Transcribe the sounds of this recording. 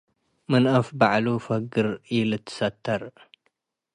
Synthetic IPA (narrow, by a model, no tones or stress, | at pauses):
mɨnʔɐfbaʕlufɐɡɨɾilɨt̪ʰːɨ̥sɐt̪ʰːɐɾ